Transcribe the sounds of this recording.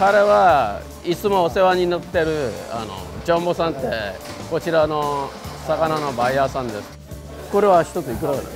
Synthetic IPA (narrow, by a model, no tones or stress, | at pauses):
kaɾe̞βa | it͡sɨmo̞ːse̞βaɲ̟inot̪ːe̞ɾɯ̟a̰no̰d͡ʑõmbo̞sãnt̪ːe̞ko̞t͡ɕiɾano̞sakanano̞baiasãnd̪esɨ̥ | ko̞ɾe̞βaçi̥t̪o̞t͡sɨikɯɾakena̰